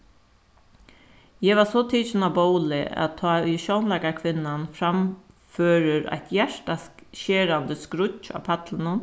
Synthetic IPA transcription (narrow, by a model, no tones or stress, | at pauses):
jɛʋasot̪ʰiːt͡ʃɪnaboʊlɪ̰æ̰t̪ʰːɑːʏʃoʊnlɛkakʰʋɪnːanfɾam | føːɾəɾa̰ɪt̪jæʂʈaʃeːɾand̪əskɾʊcːa̰ːpʰat̪lənən